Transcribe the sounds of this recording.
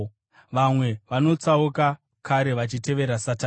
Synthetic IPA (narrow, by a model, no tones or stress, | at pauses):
ʋamwe̞ʋano̞t͡sauka | kaɾe̞ʋat͡ʃite̞ʋe̞ɾasata